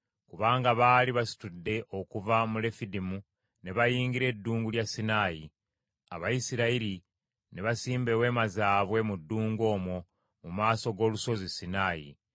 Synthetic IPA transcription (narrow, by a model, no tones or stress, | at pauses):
kuβaːŋɡaβaːliβasi̥tudːe̞ʔo̞kuvamule̞fidimu | ne̞βajiːŋɡiɾe̞ːdːuːŋɡuljasːinaːji | aβajisiɾaiɾi | ne̞βasiːmbe̞we̞ːmazaːβwe̞mudːuːŋɡo̞ːmwo̞ | mumaːso̞ɡo̞ːluso̞zisinaːjḭ